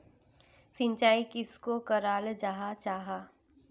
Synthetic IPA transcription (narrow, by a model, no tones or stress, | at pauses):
sɪ̃nt͡ʃaːikɪskokɐɾaːld͡ʒaɦat͡ʃaːɦaː